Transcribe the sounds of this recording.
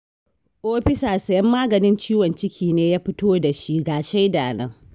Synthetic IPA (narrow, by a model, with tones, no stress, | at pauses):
ʔoː˦ɸɪ˦saː˨sɐ˨jɐ˦mːaː˦ɡɐ˨nɪ˦nt͡ʃiː˦wɔ˨nt͡ʃɪ˦kʲʰiː˨neː˦jaː˦ɸɪ˦toː˦da˨ʃi˦ɡaː˨ʃe˦jdaː˨nɐ˦ŋ